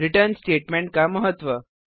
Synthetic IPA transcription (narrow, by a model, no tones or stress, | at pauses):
ɾiʈəɾnsʈeʈmẽɳʈ̚kaməɦət̪ʋə